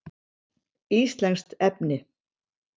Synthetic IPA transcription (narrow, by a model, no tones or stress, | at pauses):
iːst̪lɛnst̪ɛp̚nɪ